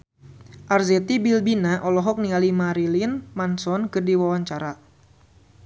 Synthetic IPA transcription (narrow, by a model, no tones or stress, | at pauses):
ʔarzɛt̪ibilbinaʔɔlɔɦɔk̚nialimaɾilinmansɔnkɨrdiwawaɲt͡ʃaɾa